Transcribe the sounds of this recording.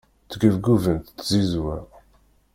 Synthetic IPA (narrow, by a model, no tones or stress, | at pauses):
θɡəvɡuvənt̪ːzizwæ